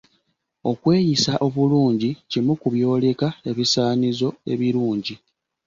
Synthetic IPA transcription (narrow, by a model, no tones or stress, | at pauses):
o̞kwe̞ːjisaʔo̞βuluːɲɟicimukuβjo̞ːle̞kae̞βisaːnizo̞e̞̰βiɾuːɲɟi